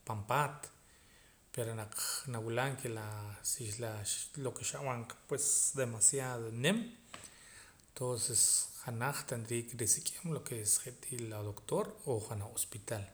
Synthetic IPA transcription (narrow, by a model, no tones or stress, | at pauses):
pampaːt̪ | peɾonaq͡χnawilaŋkʰelasiʃlaʃlokeʃaʔwaŋkpwesd̪emasjaðonem | nt̪onsesχanaχt̪and̪ɾiːkɾisikʼemlokesχeʔt̪ʰilad̪okt̪oɾoχanaχospit̪al